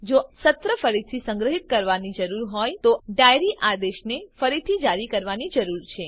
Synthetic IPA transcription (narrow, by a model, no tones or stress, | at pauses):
d͡ʒosət̪ɾəfəɾit̪ʰisə̃ŋɡɾəɦit̪̚kəɾʋanid͡ʒəɾuɾɦɔjt̪oɖajɾiʔad̪eʃnefəɾit̪ʰid͡ʒaɾikəɾʋanid͡ʒəɾuɾt͡ʃʰe